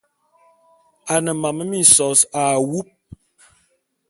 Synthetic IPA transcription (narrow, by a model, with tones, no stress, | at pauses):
a˨nə˨ma˨mə˦mi˦˨sɔ˨sa˨wu˦p̚